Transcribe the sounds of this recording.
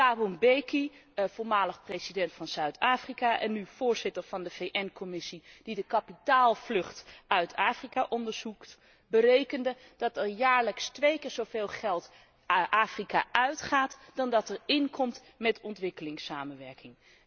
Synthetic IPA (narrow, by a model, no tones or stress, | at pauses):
aːbunbejkiv̥oːɹmaːləχprejzidɛntfɑnz̥œɥtʰaːfrikaʔɛ̰nːyv̥ʊːɹz̥ɪtəɹv̥ɑndəv̥ejʔɛnkɔmɪsid̥idəkɑpitaːlˠvlɵχtœɥtʰaːfrikaʔɔndəɹz̥ukt | bərejkəndə | d̥ɑtɛljaːɹləkstʋejkɪːɹzowveːlˠχɛlˠt | ʔaːfrikaʔœɥtχaːtd̥ɑndɑtɛɹɪnkʰɔmt | mɛtɔntʋɪkəlɪŋsaːmənʋɛɹkɪŋ